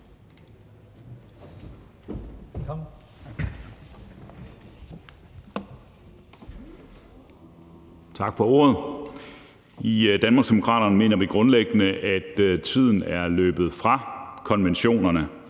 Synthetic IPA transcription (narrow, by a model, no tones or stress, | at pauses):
t͡sʰɑ̈ɡ̥fɒ̽o̝̰ːɐðˠ | id̥ænmɑɡsd̥emo̝kʰʁɑ̰̈ːɾ̥ɐnme̝̰ːnɐʋiɡ̥ʁɔ̽nleɡ̥ənəʔæd̥t͡sʰið̞̰ˠn̩æɐlø̰ːb̥ð̞̩ˠfʁɑ̈kʰɒ̽nʋenɕo̝̰ːnɐnə